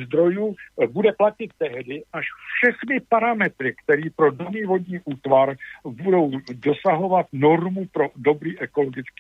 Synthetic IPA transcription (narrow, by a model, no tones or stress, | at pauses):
zd̪ɾo̞juːbudɛplacɪt̪ːɛɦdɪʔaʃfʃɛxnɪpaɾamɛt̪ɾɪkt̪ɛɾiːpɾo̞doniːvo̞dɲiːʔuːt̪vaɾbudo̞wdo̞saɦo̞vat̪no̞ɾmupɾodo̞bɾiːʔɛko̞lo̞ɡɪt͡skkiː